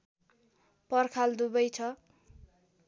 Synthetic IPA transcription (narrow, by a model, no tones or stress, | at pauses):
pʌrkʰald̪ubʌjt͡sʰʌ